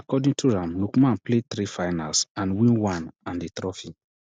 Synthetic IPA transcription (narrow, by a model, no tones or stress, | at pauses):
akɔdĩŋtʰuɹãmlukmãnplet̪ɾifaɪnalsãnwĩnwãnãndet̪ɹɔfi